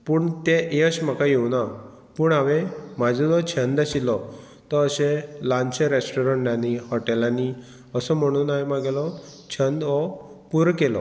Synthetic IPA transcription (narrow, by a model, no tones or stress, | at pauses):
puːɳt̪eʔeəɕm̤əkajewna | puːɳaʋẽmad͡zʱɔd̪ɔt͡ɕʰənd̪əɕilɔ | t̪ɔəɕelãɲt͡ɕeɾesʈɔɾə̃ɳʈnanihɔʈɛlani | əsɔm̤əɽ̃uːnːajmãɡelɔt͡ɕʰənd̪ɔpuɾkelɔ̰